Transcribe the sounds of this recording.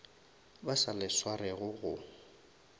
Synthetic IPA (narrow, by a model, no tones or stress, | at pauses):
basalɪswarɛɣʊɣʊ